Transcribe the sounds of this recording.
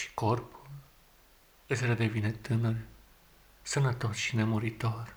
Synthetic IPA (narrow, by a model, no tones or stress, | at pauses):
ʃi̥korpul | ɨsɾed̪evinet̪ɨnərʲ | sənət̪osʃine̞moɾit̪orʲ